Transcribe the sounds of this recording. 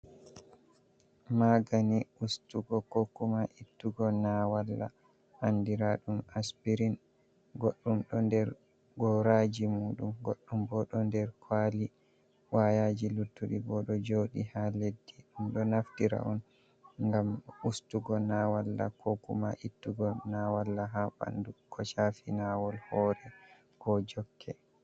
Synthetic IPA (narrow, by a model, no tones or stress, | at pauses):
maɡaniustuɡɔkokumaʔitːuɡɔnawalːa̰ | handiɾaɗumaspiɾin | ɡoɗːumɗɔndɛɾ | ɡɔɾad͡ʒimuːɗumɡoɗːumbɔɗɔndɛɾkʰwaːli | wajad͡ʒilutːuɗibɔɗɔd͡ʒoɗihaledːiɗumɗɔnaftiɾa̰wɔn | ŋɡamustuɡɔnawalːa̰kʰɔkumaʔitːuɡɔnawalːaɦaɓa̰ndukʰɔt͡ʃafinawɔlhɔːɾɛ | kɔd͡ʒɔkʰːɛ